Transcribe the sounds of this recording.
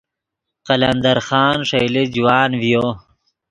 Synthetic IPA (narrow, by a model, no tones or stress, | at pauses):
qalɐnd̪ɐɾxɑːnʂejlid͡ʒuwaːnvijoː